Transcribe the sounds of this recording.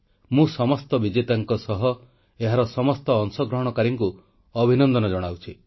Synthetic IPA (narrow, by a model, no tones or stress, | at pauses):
mũsɔmɔst̪ɔbid͡ʒet̪aŋkɔsɔɦɔ | eɦaɾɔsɔmɔst̪ɔːŋsɔɡɾɔɦɔɽ̃ɔkaɾiŋku | ɔbʱinɔnd̪ɔnɔd͡ʒɔɽ̃awt͡ʃʰi